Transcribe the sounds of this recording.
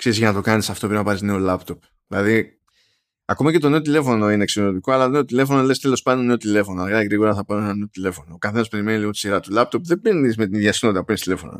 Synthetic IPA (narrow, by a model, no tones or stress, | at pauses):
kse̞ɾizʝɐnɐt̪o̞kɐnisɐft̪o̞pɾeinɐpɐɾizne̞o̞lɐpt̪o̞p | ðilɐði | ɐko̞mɐce̞t̪o̞ne̞o̞t̪̬ile̞fo̞no̞ineːksionot̪iko̞ɐlɐt̪one̞ot̪ile̞fo̞nole̞st̪e̞lo̞spɐnd̪one̞ot̪ile̞fo̞noɐlɐkɐt̪iɣɾiɣo̞ɾɐθɐpɐnonenɐne̞ot̪ile̞fo̞noːkɐθe̞nɐspe̞ɾimeniliɣot̪i̥siɾɐt̪ulɐp̚t̪o̞pðebeɾnizmet̪iðjɐsinot̪it̪ɐpenist̪ile̞fo̞̰no̰